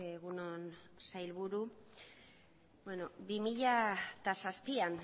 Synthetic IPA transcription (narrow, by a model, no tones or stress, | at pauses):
eɣunonsajlβuɾu | bweno̞bimiʎat̪asaspian